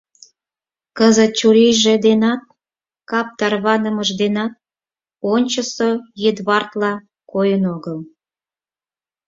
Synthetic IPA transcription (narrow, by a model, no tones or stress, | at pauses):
kəzət̪̚t͡ɕuɾiʒed̪enɑt̪̚ | kɑp̚t̪ɑrβɑnəməʒd̪enɑt̪̚ | onʲt͡ɕəsojed̪βɑrt̪lɑ | kojənoɣəl